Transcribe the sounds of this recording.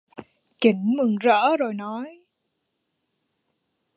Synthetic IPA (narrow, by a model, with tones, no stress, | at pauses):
t͡ɕi˨˦ŋ̟mɨ˨˩ŋzə̰ː˧˥zo˨˩jnɔ˨˦j